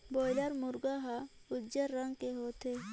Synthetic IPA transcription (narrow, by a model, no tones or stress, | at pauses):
boːjləɾmʊɾɡaɦa | ʊd͡ʒəɾːɐŋɡkeɦoːt̪eː